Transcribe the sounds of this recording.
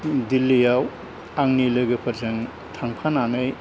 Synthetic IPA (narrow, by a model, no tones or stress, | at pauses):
dilːijaw | aŋnilɯɡɯpʰɐɾzɯŋ | tʰaŋpʰananɯj